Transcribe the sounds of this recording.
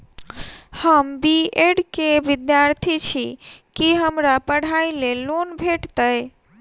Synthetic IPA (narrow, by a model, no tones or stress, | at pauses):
həmbieɖkeʋid̪jaɾt̪ʰit͡ʃʰikiɦəmɾapəɽ̤ailelonbʱeʈt̪əj